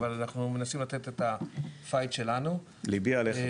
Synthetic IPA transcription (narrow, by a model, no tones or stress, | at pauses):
valanaχnume̞nasimlat̪et̪etafajtʃe̞lanu | libiale